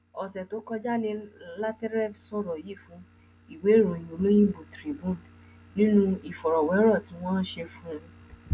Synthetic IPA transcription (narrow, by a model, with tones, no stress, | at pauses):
ɔ˨sɛ˨to˨˦kɔ˧d͡ʒa˦nĩ˧la˦tɛ˦ɾɛ˦˨sɔ̃˦˨ɾɔ˨ji˦˨fũ˨˦ | i˦˨we˨˦ɾũ˨ĩ˨o˨˦lo˦j̃ĩ˦bu˨tɾi˨bũ˦˨n | nĩ˦nũ˦i˦˨fɔ˨ɾɔ˨wɛ˨˦ɾɔ˦˨tĩ˨˦w̃ɔ̃˦n̩˦ʃe˧fũ˦˧